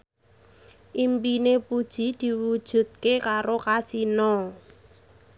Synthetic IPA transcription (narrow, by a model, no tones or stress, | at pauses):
ʔimpinepud̥ʒ̥i̤d̪̥i̤wud̥ʒ̥ṳt̪̚kekaɾokasinɔ